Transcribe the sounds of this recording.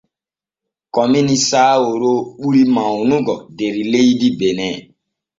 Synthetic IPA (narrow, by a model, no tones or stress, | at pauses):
kɔminisaːwoɾoɓuɾimãunũɡɔdeɾileidibenɛ